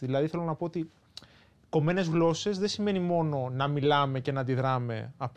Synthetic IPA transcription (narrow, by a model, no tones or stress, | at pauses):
ðilɐðiθe̞lonɐpo̞ot̪i | ko̞me̞ne̞zɣlo̞se̞zðe̞sime̞nimo̞no̞nɐmilɐme̞ce̞nɐd̪iðɾɐme̞̰ɐp